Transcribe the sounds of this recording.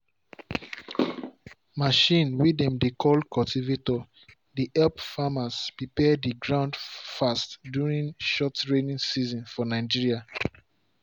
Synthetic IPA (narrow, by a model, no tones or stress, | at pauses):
maʃĩnwidɛ̃mdekʰɔlkʰɔltʰivetɔ | diʔɛlpfamaspɹipɛdiɡɹãʊ̃ndfastdjuɹĩŋʃɔtɹenĩŋsizɔ̃nfɔnaɪd͡ʒiɹia